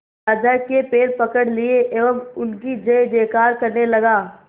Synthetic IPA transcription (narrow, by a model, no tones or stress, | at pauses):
aːd͡ʒakepeːlpɐkəɽlieʔeːʋəmʊnkid͡ʒɐjd̪eːkaːɾkɐɾnelɐɡaː